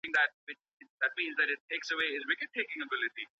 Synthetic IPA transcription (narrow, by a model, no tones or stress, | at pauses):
ɪ̃ŋk̚ðæt̚wɪt͡ʃ | ɪðæt̚mĩːnzðɨɾɪtʰeːksəweɪɪzwɪkɨd̚tʰeɪkɪ̃ŋəbɪlɪʈi